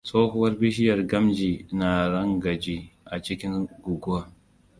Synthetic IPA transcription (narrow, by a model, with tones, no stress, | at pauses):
sʼoː˦ɦʊ˦wɐ˦rbi˦ʃɪ˦jɐ˨rɡɐ˦md͡ʒiː˨na˨ɾɐ˦ŋɡɐ˨d͡ʒiː˦ʔa˨t͡ʃɪ˦kʲɪ˦ŋɡʊ˨ɡʊ˦a˦